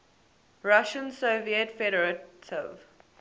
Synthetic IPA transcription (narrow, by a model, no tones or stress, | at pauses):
ɹaʃə̃nsoviətfɛɾəɹətʰɪ̰v